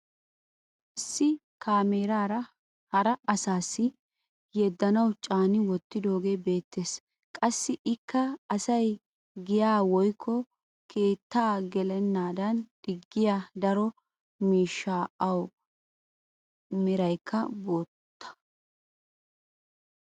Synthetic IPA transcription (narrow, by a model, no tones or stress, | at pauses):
ʔɪsːɪ | kaːmeːɾaːɾɐ | hɐɾɐɐsaːsːɪ | jɛd̪ːɐnɐwt͡ʃʼaːnɪwɔt̪ːɪd̪o̞ːɡe̞ːbe̞ːt̪ːe̞ːs | kʼɐsːɪʔɪkːɐɐsɐj | ɡɪjaːwɔjkʰːɔ | kʰe̞ːt̪ːaːɡɛlɛnːaːd̪ɐnd̪̥ɪɡːɪjad̪ɐɾɔ | miːʃːaːɐw | mɪɾɐjkʰːɐbo̞ːt̪ːɐ̥